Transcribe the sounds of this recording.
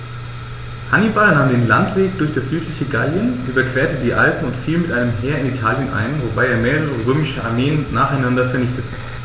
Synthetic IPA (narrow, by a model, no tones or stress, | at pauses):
hanibalnaːmdeːnlantv̥eːk̚d̥ʊɐçd̥asz̥yːtʰlɪçəɡaljənʔyːbɐkv̥eːɐtədiːʔalpm̩ʊntfiːlmɪtʔaɪnəmɦeːɐɪnitʰaːljənʔa̰ɪnvobaɪeːɐmeːʁəʁ̞əʁøːmɪʃəa̰ɐmeːənːaːχaɪnandɐfɛɐnɪçtətə